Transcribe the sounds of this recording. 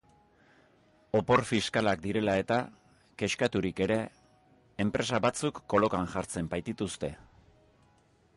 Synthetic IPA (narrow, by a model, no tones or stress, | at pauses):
o̞po̞ɾfiskalakd̪iɾe̞lae̞t̪a | ke̞ʃkat̪uɾike̞ɾe̞ː | mpɾe̞saβat͡sukːo̞lo̞kaŋʝaɾt͡se̞mbajt̪it̪ust̪e̞